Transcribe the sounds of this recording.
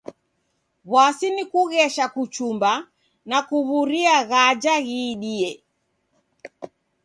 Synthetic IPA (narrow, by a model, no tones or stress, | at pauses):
βwasinikuɣɛʃakut͡ʃumba | nakuβuɾiaɣad͡ʒaɣiːɗiɛ